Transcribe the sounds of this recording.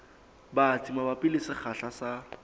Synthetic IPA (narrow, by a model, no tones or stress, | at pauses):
bat͡sʰimabapɪlɪsɪχʰaɬasa